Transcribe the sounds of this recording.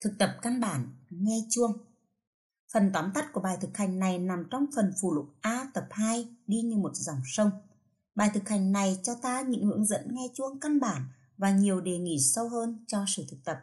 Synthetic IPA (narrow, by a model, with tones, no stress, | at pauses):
t̪ʰɨ˨˩k̚t̪ə˨˩p̚ka˧nɓaː˧˩nŋɛ˧t͡ɕu˧əŋ | fə˨˩nt̪waː˨˦nt̪a˦˥t̚ku˧˩əɓaː˨˩jt̪ʰɨ˨˩k̚ha˨˩jŋ̟na˨˩jna˨˩mt͡ɕɔ˧wŋ͡mfə˨˩nfu˧˩lʊ̰˧˥k͡p̚ʔaː˧t̪ə˨˩p̚haː˧jɗi˧ɲɨ˧mo˨˩t̚za˨˩wŋ͡msə˧wŋ͡m | ɓaː˨˩jt̪ʰɨ˨˩k̚ha˨˩jŋ̟na˨˩jt͡ɕɔ˧t̪aː˧ɲɨ̰˧˥ŋhɨ̰˧˥əŋzə̰˧˥nŋɛ˧t͡ɕu˧əŋka˧nɓaː˧˩n | vaː˨˩ɲi˨˩əwɗe˨˩ŋḭ˧˩sə˧whəː˧nt͡ɕɔ˧sɨ̰˧˩t̪ʰɨ˨˩k̚t̪ə˨˩p̚